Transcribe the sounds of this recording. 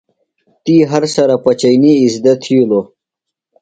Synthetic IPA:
t̪iɦɐɾsɐɾapɐt͡ɕəjniːzd̪ɐt̪ʰiulo

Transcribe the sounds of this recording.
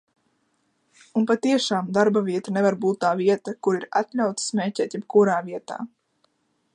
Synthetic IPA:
unpat̪iɛʃaːmd̪aɾbaviɛt̪anevaɾbuːt̪ːaːviɛt̪akuɾiɾa̰t̪ʎʲawt̪smʲeːcʲɛːt̪jɛp̚kuɾaːviɛt̪a̰ː

